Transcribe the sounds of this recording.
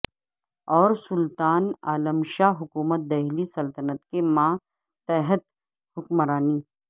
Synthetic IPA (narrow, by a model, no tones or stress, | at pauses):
ɔːɾsʊlt̪aːnaːləmʃaːɦʊkuːmət̪̚d̪ɐɦlisɐlt̪ənət̪kemãː | t̪ɛɦət̪ | hʊkmɾaːniː